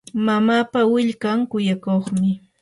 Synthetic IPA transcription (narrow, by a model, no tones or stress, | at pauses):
mamaːpawɪʎkaŋkʊjakoχmɪ